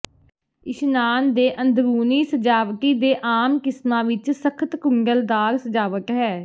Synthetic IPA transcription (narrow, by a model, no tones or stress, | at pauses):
ɪʃnaːnd̪eːʔənd̪ɡuːniːsəd͡ʒaːʋʈ̪iːd̪eːʔaːmkɪsmãːʋɪt͡ʃsəkʰət̪kʊŋɡəld̪aːɾsəd͡ʒaːʋəkɦɛː